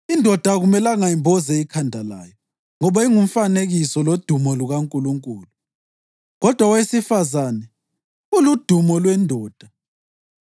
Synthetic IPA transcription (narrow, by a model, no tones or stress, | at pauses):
indʱɔd̥ʱaɣumɛlaŋajimbʱɔzɛikʰandʱala̰ːjɔ | ŋɔβaiŋum̩faneɣisɔlod̥ʱumɔluɣaŋkʼuluŋkʼuːlu | ɣɔd̥ʱwawesifazaːnɛ | ulud̥ʱumɔlwɛndʱɔːd̥ʱa